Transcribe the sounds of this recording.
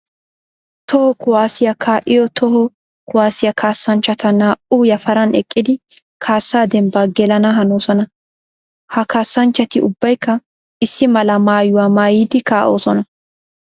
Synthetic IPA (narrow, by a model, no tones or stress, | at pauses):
t̪ɔhɔkʊwaːsɪjɐkʰaːʔɪjɔt̪ʰɔhɔ | kʊwaːsɪjɐkʰaːsːɐnt͡ʃːɐt̪ɐnaːʔujɐfɐɾɐnɛ̰kʼːɪd̪ɪ | kʰaːsːaːd̪ɛmbaːɡɛlɐnɐɦɐnoːsɔnɐ | hɐkaːsːɐnt͡ʃːɐt̪ɪʊbːɐjkːɐ | ɪsːɪmɐlɐmaːjʊwaːmaːjiːd̪ɪkaːʔo̞ːsɔnɐ